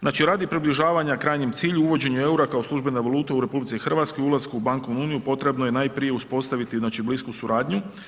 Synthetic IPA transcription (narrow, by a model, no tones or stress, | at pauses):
znaːt͡ʃiɾaːd̪ipɾibliʒaːʋaɲakɾaːjɲemt̪siːʎuuʋo̞d͡ʑe̞ɲue̞uɾakaoslˠuʒbe̞naʋalˠuːt̪auɾe̞publit̪ixrʋat̪sko̞julˠaskuubaŋko̞ʋnuuːnijupo̞t̪ɾe̞bnoje̞naːjpɾije̞uspo̞st̪aʋit̪iznaːt͡ʃibliskusuɾaːd̪ɲu